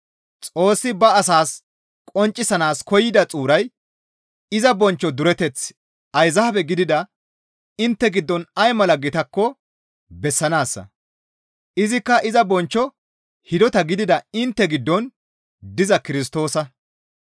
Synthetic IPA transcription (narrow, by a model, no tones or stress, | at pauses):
t͡sʼo̞ːsːɪbɐːsaːs | kʼɔnt͡ʃʼːɪsɐnaːskɔjːɪd̪ɐt͡sʼuːɾɐj | ɪzɐbɔnt͡ʃːɔd̪ʊɾɛt̪ɛt͡s | ɐjzɐhɐbɛɡɪd̪ɪd̪ɐ | ɪnt̪ːɛɡɪd̪ːɔnɐjmɐlɐɡɪt̪ɐkːɔ | bɛsːɐnaːsːɐ̰ | ʔɪzɪkːɐʔɪzɐbɔnt͡ʃːɔ | hɪd̪ɔt̪ɐɡɪd̪ɪd̪ɐɪnt̪ːɛɡɪd̪ːɔn | d̪ɪzɐkɪɾɪs̬t̪o̞ːsɐ